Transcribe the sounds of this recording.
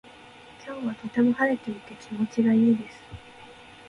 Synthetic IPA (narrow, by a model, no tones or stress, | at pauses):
kʲʰoːβat̪o̞t̪emohaɾe̞t̪e̞it̪e̞kʲimo̞t͡ɕiɡaiːd̪e̞sɨ̥